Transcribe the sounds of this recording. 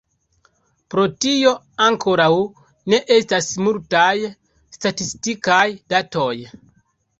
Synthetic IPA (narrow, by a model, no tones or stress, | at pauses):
pɾo̞tio̞ | aŋkʰo̞ɾaw | ne̞ʔe̞stasmultaj | statistikajdato̞j